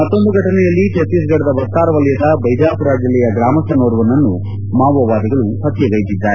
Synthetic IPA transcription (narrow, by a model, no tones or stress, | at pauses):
mɐt̪ːond̪uɡʱɐʈɐnɛjɐlːit͡ʃɐt̪isɡɐɽɐd̪ɐbɐst̪aːɾɐʋɐljɐd̪aɐbɐjd͡ʒaːpuɾaːd͡ʒɐlɛjɐɡɾaːmɐst̪ɐnoːɾɐʋɐnːɐnːu | maːʋɐʋaːd̪ɐɡɐɭuhɐt̪jɐɡɐjit̪id̪ːaːɾe